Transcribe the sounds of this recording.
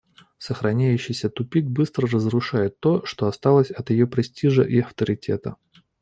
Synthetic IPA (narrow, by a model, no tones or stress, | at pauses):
səxɾɐnʲæjʉɕːɪjsʲət̪ʊpʲik̚bɨst̪ɾərəzrʊʂajɪt̪ːo̞ʂt̪o̞ɐst̪ɑlˠəsʲɐt̪jɪjopɾʲɪsʲtʲiʐəʔiɐft̪əɾʲɪtʲʰe̞̰t̪ə